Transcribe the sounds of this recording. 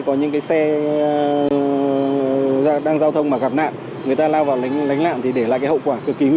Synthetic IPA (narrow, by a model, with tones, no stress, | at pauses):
kɔ˨˦ɲɨ̰˧˥ŋkaː˨˦jsɛ˧ | ɗaː˧ŋzaː˧wt̪ʰə˧wŋ͡mmaː˨˩ɣa˨˩p̚na̰ː˧˨n | ŋɨ˨əjt̪aː˧laː˧wvaː˨˩wla˨˦ŋ̟la˨˦jŋ̟la̰ː˧˨nt̪ʰi˨˩ɗe˧˩laː˧˨jkaː˨˦hə̰˧˨wkwaː˧˩kɨ˨˩əkːi˨˦ŋ˧